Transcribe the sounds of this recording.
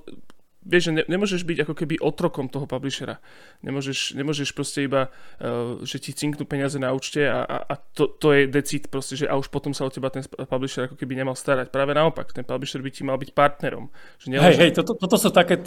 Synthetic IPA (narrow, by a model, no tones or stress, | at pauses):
ʋɪɛʒɛɲɛɲɛmʊɔʒɛʒbiɟakɔkɛbiʔɔt̪ɾɔkɔmt̪ɔɦɔpabliʃɛɾa̰ | ɲɛ̰mʊɔʒɛʃɲɛmʊɔʒɛʃpɾɔscɛiba | ʒɛcit͡siŋknupɛɲɪazɛnauːt͡ʃcɛa̰ʔa̰ʔa̰t̪ɔt̪ɔjɛd̪ɛt͡sit̪pɾɔscɛʒɛʔauʃpɔt̪ɔmsaɔcɛbat̪ɛnpabliʃɛɾakɔkɛbiɲɛmalst̪aɾacpɾaːʋɛnaɔpa̰kt̪ɛnpabliʃɛɾbicimalbicpaɾt̪nɛɾɔ̰mʒ̥ɛɲɛɦɛjɦɛjt̪ɔt̪ɔt̪ɔt̪ɔsuːt̪akɛː